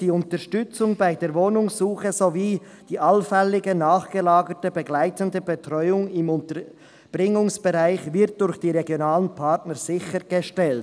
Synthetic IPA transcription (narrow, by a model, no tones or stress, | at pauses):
d̥iːʊntəɾʃtʏt͡sʊŋbaɪdeːɾvoːnʊŋsuːχəzoviː | d̥iːʔalfɛlɪɡənaːχɡ̥əlaːɡətəbəɡlaɪtəndəbetʁɔʏʊŋɪmʊntəɾ | b̥ʁɪŋʊŋsb̥əʁaɪxvɪɾt̚d̥ʊɾçd̥iːɾeɡjonaːlənpʰatnəz̥ɪçəɾɡ̥əʃtɛlt